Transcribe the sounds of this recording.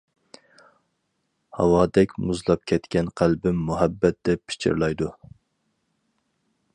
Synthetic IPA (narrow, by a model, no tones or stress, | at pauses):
hɑwɑːd̪ɛkʲmuzlˠɑp̚kʲʰɛt̪kʲɛnqʰælbɪmːuɦɛbːɛt̪̚d̪̥ɛpːʰi̥t͡ʃʰḭɾlˠɑjd̪u